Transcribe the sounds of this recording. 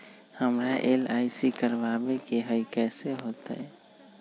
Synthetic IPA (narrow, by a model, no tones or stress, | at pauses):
həmɾaʔelaːisikəɾbabekeɦəɪkɛːseɦoːt̪a̰ɛ